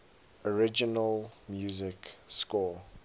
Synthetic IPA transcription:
ɔɹɪd͡ʒənəlmjuːzɪkskɔ

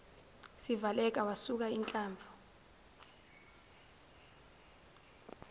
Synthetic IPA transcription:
sivalɛk̬ʼawasuk̬aint͡ɬʼaːɱbvʱɔ

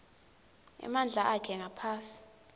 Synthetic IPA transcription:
ɛ̰mand͡ɮʱaʔakʰɛŋʱapʰaːsi̥

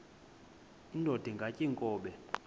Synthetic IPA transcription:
indʱod̥ʱiŋɡʱacʼiŋkʼɔːɓɛ

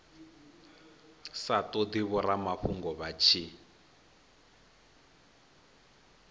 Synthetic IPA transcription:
satɔdiβɔɾamaɸuŋɡɔβat͡ʃʰi

